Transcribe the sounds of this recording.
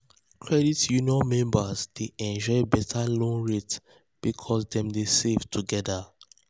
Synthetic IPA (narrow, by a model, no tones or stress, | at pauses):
kʰɹɛditjuniɔ̃mɛ̃mbazd̥eʔɛ̃nd͡ʒɔɪbɛtʰalõnɹet | b̥ikʰɔsdɛ̃mdesevtʰuɡɛda